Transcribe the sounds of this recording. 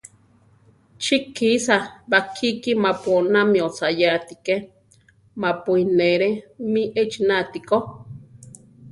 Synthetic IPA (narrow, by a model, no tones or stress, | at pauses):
t͡ʃikʰːisabakʰikimaponamĩot͡sajat̪ike | mapuineɾemĩʔet͡ʃinat̪iko